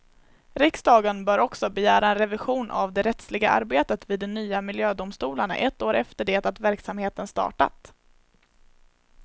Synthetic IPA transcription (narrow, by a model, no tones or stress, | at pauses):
ɾɪksd̪ɑːɡənbœːɾɔksɔbɛjæːɾaɛnɾɛvɪɧuːnʔa̰vd̪ɛɾɛt̪slɪɡaʔa̰ɾbeːt̪ət̪viːd̪ːɛnyːamɪljøːd̪ʊmst̪uːlaɳa̰ʔɛt̪ːoːɾɛft̪əɖeːt̪at̪væɾksamheːt̪ənst̪ɑ̰ːʈa̰t̪